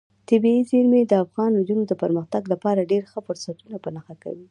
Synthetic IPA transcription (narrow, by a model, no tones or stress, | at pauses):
t̪ɪbiiziɾmed̪əafɣɑnud͡ʒ̪unod̪əpəɾməxt̪aɡlapɑɾaɖeɾxəfʊɾsat̪unapənaxaka̰wi